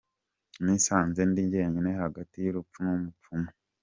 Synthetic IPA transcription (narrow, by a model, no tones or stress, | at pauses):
nisaːnze̞ndiɲɟe̞ːɲɟinehaɡatijuɾupp͡funumup͡fumo